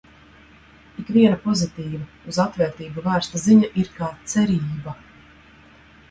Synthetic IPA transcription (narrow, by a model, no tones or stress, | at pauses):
ikvʲiɛnapɔzit̪iːva | uzat̪vɛːɾt̪iːbuvæːɾst̪aziɲaʔiɾkaːt̪sɛɾiːba